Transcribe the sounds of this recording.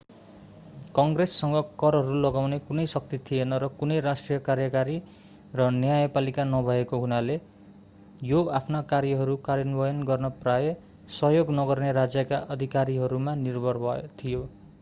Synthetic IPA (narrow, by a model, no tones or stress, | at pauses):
kʌŋɡresːʌŋɡʌkʌɾɦʌɾulʌɡawnekunʌjsʌk̚t̪it̪ʰijenʌɾʌkunʌjɾasʈrijʌkarjʌkaɾi | rʌnjajʌpalikanʌbʱʌekoɦunale | joapʰnakaɾjʌɦʌɾukaɾjʌnbʌjʌnɡʌrnʌpraje | sʌɦjoɡnʌɡʌrneɾad͡zjʌkaʔʌd̪ʱikaɾiɦʌɾumanirbʱʌrbʱʌt̪ʰijo